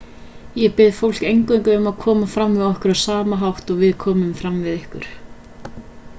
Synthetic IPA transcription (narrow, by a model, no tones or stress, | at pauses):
jɛɣpɪðfowl̥kejŋkʏŋkʏʏmaðkʰɔːmafɾamvɪðɔhkʏɾawsaːmaɦawht̪ɔɣvɪðkʰɔːmʏmfɾamvɪðɪhkʏ̰ɾ̥